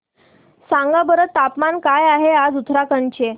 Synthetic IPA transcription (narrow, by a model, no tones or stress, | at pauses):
sãŋɡabəɾət̪ːapmankajaɦead͡zut̪ʰɾakəɳt͡ɕe